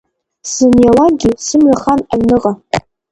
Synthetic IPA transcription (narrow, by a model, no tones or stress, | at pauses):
sɨnjalaɡʲisɨmɥaχanaɥnɨqʼa